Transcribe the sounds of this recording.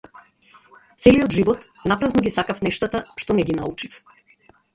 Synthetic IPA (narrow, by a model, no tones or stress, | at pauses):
t̪sɛliɔd̪ʒivɔt̪ | napɾaznɔɡʲisakafnɛʃt̪at̪aʃt̪ɔnɛɡina̰ut͡ʃif